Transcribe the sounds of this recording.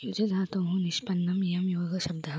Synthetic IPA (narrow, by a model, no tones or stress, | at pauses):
jud͡ʒed̪ʱaːt̪ɐɦũnɪʃpɐnːɐmjɐmjoːɡɐʃɐb̚d̪ɐ